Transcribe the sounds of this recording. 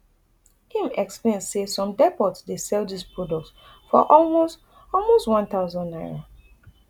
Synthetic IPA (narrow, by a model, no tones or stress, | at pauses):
ĩmɛksplẽnsesɔ̃mdɛpɔtsdesɛlˠdispɹɔdɔk̚t | fɔ̰ʔɔlmos | ɔlˠmostwãnt̪aʊzɔ̃nnaɪɹo